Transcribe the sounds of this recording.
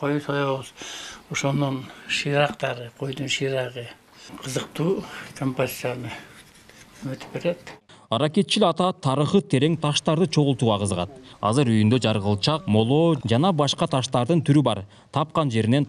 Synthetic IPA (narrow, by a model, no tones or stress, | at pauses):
qʰojsojow̪oʃonʊɴʃijɾɑqt̪ɑɾəqʰo̞jd̪ənʃijɾɑʁə | qʰəzəqt̪uːkʰompozʲit̪ːjanə | ymɪt̪ɪ̥p̚beɾed̪̥ | ɑɾɑke̞t̪̚t͡ʃilɑt̪ɑt̪ʰɑɾəχət̪ʰe̞ɾe̞ŋt̪ʰɑʃt̪ɑɾd̪ɯt͡ʃʰo̞ʁʊlˠt̪uːʁɑqʰəzəʁɑ̰t̪ɑ̰zɯɾyjynd̪ød͡ʒɑɾʁəlˠt͡ʃɑqmo̞lˠoːd͡ʒɑnɑbɑʃqɑt̪ʰɑʃt̪ɑɾd̪ɯnt̪ʰyɾybɑ̰ɾ | t̪ʰɑp̚qɑnd͡ʒe̞ɾine̞n